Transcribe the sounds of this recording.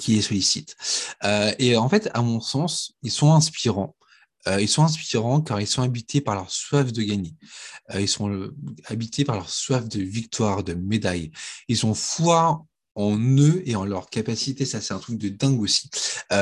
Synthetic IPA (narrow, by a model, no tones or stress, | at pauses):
kʲʰiɛsɔlisit̪øeɑ̃fɛt̪a̰mɔ̃sɑ̃silsɔ̃ɛ̃spiʁɑ̃ | øilsɔ̃ɛ̃s̬piʁɑ̃kaʁilsɔ̃abit̪ʰepaʁlœʁswafd̪əɡʲaɲeøilsɔ̃abit̪ʰepaʁlœʁswafd̪əvik̚t̪waʁd̪əmed̪ajilsɔ̃fwa | ɑ̃nøeɑ̃lœʁkapasit̪esasɛ̥t̪ɛ̃t̪χyk̚d̪əd̪ɛ̃ɡosi̥ø